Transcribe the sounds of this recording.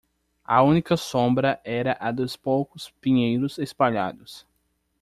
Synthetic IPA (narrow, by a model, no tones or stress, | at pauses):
ɐ̰ũnikɐsõbɾɐʔɛɾɐʔɐd̪ʊspowkʊspĩɲejɾʊzespaʎa̰d̪ʊs